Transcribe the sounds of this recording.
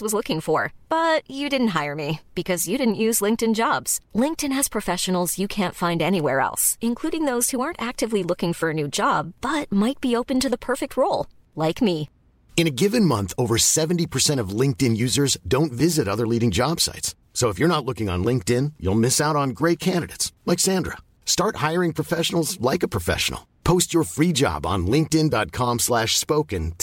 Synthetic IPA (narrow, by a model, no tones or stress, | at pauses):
wʌzlʊkɪ̃ŋfə˞b̥ʌt͡ʃɨdɪdⁿn̩t̚ɦaɪə˞mib̥ɨkʰʌzjɨɾɪdⁿn̩ʔjʉzlɪ̃ŋk̚tɨ̃nd͡ʒɑbz̥lɪ̃ŋk̚tɨ̃nɨz̥pʰɹ̥ɨfɛʃɨn̩l̩ˠzjɨkʰæ̃ntfãɪ̃ndɛñiwɛɹɛ̰lˠsɨ̃nkʰl̥uɾɪ̃ŋðoʊz̥huɑɹntæk̚tɨvlilʊkɪ̃ŋfə˞ɨnʉd͡ʒɑb̚b̥ʌt̚maɪt̚b̥ioʊpɨ̃ntɨðəpʰɜ˞fɨk̚t̚ʰɹoʊlˠ | laɪkmi | ɨ̃ñɨɡɪvɨ̃nmʌ̃nθoʊvə˞sɛṽn̩tipʰə˞sɛ̃ɾ̃ʌvlɪ̃ŋk̚tɨ̃njʉzə˞zdõʊ̃ntvɪzɨɾʌðə˞liɾɪ̃ŋd͡ʒɑb̥sa̰ɪtsːoʊəfjə˞ñətˡlʊkɪ̃ŋə̰̃nlɪ̃ŋk̚tɪ̃njṵlˠmɪsaʊɾn̩ɡɹeɪt̚kʰæ̃ndɨɾeɪtslɛksæ̃ndɹə̰ | stɑɹt̚haɪə˞ɪ̃ŋpʰɹ̥əfɛʃn̩l̩ˠzlaɪkəpʰɹ̥əfɛ̰ʃn̩̰l̩ˠpʰoʊst͡ʃə˞fɹid͡ʒɑ̰b̃n̩lɪ̃ŋk̚tɪ̃ndɑt̚kʰɑ̃mslæʃspoʊkɨ̃n